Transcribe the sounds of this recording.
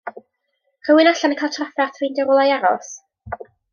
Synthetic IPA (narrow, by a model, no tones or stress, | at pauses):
r̥əwɪnaɬanəkʰajlˠtʰrafɛrθʰrɪndɛɾʊlˠajaɾɔ̰s